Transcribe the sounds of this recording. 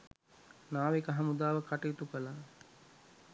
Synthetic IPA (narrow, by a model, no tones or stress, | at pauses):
naːʋekaɦamud̪aːʋəkaʈejːt̪ukəla